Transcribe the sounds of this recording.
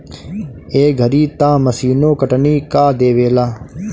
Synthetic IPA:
eːɡʱəɾiːt̪ãːməsiːnõːkəʈniːkaːd̪eːʋeːlaː

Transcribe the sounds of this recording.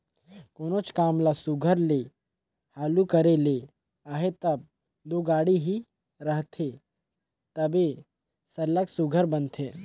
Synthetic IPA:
koːnoːt͡ʃkaːmlasuɡʱəɾle | haːlukəɾele | aːɦet̪ɐb̚ | d̪oːɡaːɽiɦi | ɾəɦt̪ʰe | t̪ɐbe | sɐləksuɡʱəɾbɐnt̪ʰeː

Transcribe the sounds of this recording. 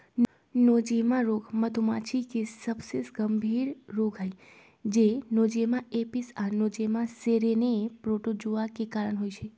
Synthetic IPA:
n | nod͡ʒemãɾoɡmət̪umat͡ʃʰikesəbsesɡəmbʱiɾɾoɡɦaj | d͡ʒenod͡ʒemãepisanod͡ʒemãseɾenepɾoʈod͡ʒoʋakekaɾəɳɦojt͡ʃʰe

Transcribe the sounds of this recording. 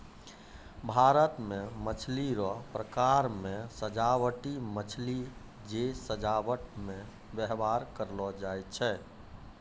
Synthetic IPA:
bʱaɾət̪mẽmət͡ʃʰliɾɔpɾəkaɾmẽsəd͡ʒawəʈimət͡ʃʰli | d͡ʒesəd͡ʒaʋəʈmẽ | bjəɦbaɾkəɾlɔd͡ʒajt̪̚t͡ʃʰɛ

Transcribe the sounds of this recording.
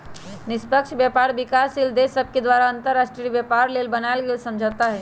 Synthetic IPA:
nɪspəkʃbjɛːpaːɾʋɪkaːsild̪esəb̚ked̪ʋaːɾaə̃nt̪əɾːaːʃʈɾiəbjepaːɾleːlbɐnaɪlɡelsɐ̃md͡ʒʱat̪aɦɛː

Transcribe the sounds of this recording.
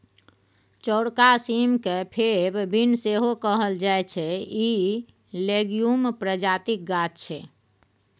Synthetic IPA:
t͡ʃɔʊɽkasimkepʰebbʱinseɦokəɦəld͡ʒaet͡ʃʰɛi | leɡijumpɾəd͡ʒat̪ik̚ɡat̪̚t͡ʃʰɛ

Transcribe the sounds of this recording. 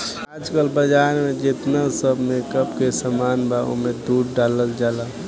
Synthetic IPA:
ad͡ʒkəlbəd͡ʒaɾmẽd͡ʒet̪nasəbʱmẽkəbkesəmanbao̰mẽd̪uɽɖaləld͡ʒaːla

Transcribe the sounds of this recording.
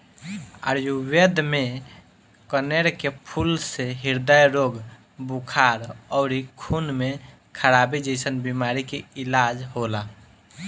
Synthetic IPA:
a̰ɾjuwed̪me | kəneɾkepʰulseɦiɾd̪ajɾoɡ | bukʰaɾɔʊɾikʰunme | kʰəɾabid͡ʒəɪsənbimaɾikeilad͡ʒɦola

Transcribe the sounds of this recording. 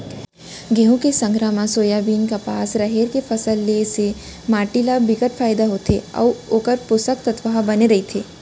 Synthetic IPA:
ɡeɦũkesɐ̃ŋɡɾaːmãsoːjaːbiːnkapaːsɾɐɦeːɾkefʰɐsəlːese | maːʈilaːbɪkəʈfʰaːjd̪aɦot̪ʰeɔ̰ːʋoːkəɾpʊsəkt̪ɐt̪ʋəɦabɐneɾɐɦit̪ʰeː

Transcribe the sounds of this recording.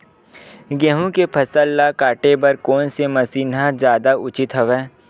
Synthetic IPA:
ɡeːɦũkepʰɐsəlːakaːʈebɐɾkoːnsemɐsiːnɦad͡ʒjaːd̪aʊt͡ʃɪt̪ɦəʋɛ̃ː

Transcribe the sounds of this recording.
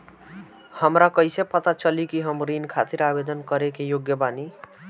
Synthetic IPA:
həmɾakʌjsepʌt̪at͡ʃʌlikiɦəmɾinkʰat̪iɾabed̪ənkʌɾekejoɡjəbani

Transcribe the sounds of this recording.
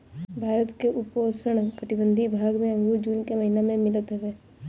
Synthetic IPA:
bʱaːɾət̪keʔʊpoːsəɽ̃kəʈibə̃nd̪ʱibʱaːɡmẽə̃ŋɡuɾd͡ʒuːnkeməɦinamẽmɪlət̪ɦɛʋeː

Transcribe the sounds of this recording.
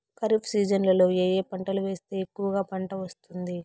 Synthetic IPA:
kɐɾipʰsiːd͡ʒɐnlɐlo̞ːeːjeːpɐɳʈɐluʋe̞ːst̪e̞ːekːuʋɐɡaːpɐɳʈɐʋɐst̪und̪i

